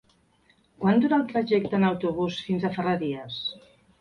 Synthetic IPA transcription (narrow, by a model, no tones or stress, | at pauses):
kwand̪uɾaːlˠt̪ɾəʒɛkt̪əːnəwt̪uβ̞usfinzəfərəðiəs